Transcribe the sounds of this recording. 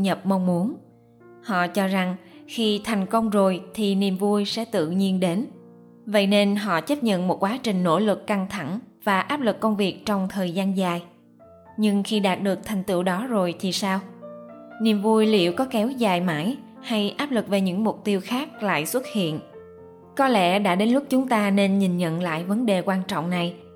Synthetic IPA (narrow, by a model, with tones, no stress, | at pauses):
ɲə˨˩p̚ma˧wŋ͡mmu˨˦ən | hɔ̰˧˨t͡ɕɔ˧za˨˩ŋxi˧t̪ʰa˨˩jŋ̟kə˧wŋ͡mzo˨˩jt̪ʰi˨˩ni˨˩əmvu˧jsɛ̰˧˥t̪ɨ̰˧˨ɲi˧ənɗe˨˦n | və̰˧˨jne˧nɦɔ̰˧˨t͡ɕə˦˥p̚ɲə̰˧˨nmo˨˩t̚kwaː˨˦t͡ɕï˨˩ŋ̟no̰˧˥lɨ˨˩kːa˧ŋt̪ʰa˧˩ŋvaː˨˩ʔaː˦˥p̚lɨ˨˩kːə˧wŋ͡mvi˨˩ək̚t͡ɕɔ˧wŋ͡mt̪ʰəː˨˩jzaː˧nzaː˨˩j | ɲɨ˧ŋxi˧ɗaː˨˩t̚ɗɨ˨˩ək̚t̪ʰa˨˩jŋ̟t̪ɨ̰˧˨wɗɔ˨˦zo˨˩jt̪ʰi˨˩saː˧w | ni˨˩əmvu˧jlḭ˧˩əwkɔ˨˦kɛ˨˦wzaː˨˩jma̰ː˧˥j | ha˧jʔaː˦˥p̚lɨ˨˩k̚ve˨˩ɲɨ̰˧˥ŋmʊ˨˩k͡p̚t̪i˧əwxaː˦˥k̚la̰ː˧˨jswə˦˥t̚hḭ˧˨ən | kɔ˨˦lɛ̰˧˥ɗa̰ː˧˥ɗe˨˦nlʊ˦˥k͡p̚t͡ɕʊ˨˦ŋ͡mt̪aː˧ne˧nɲï˨˩ŋɲə̰˧˨nla̰ː˧˨jvə˨˦nɗe˨˩kwaː˧nt͡ɕɔ̰˧˨wŋ͡mna˨˩j